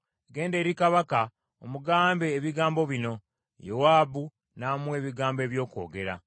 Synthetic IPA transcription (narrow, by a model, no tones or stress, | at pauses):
ɡe̞ːnde̞ːɾikaβaka | omuɡaːmbe̞ːβiɡaːmbo̞βino̞ | jowaːbu | namuwe̞ːβiɡaːmbe̞ːβjo̞ːko̞̰ːɡe̞ɾa̰